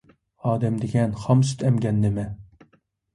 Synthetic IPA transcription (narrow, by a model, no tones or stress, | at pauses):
ɑːd̪ɛmd̪ɪɡʲɛnχɑmsy̥t̪ʰɛmɡʲɛnːɪmɛ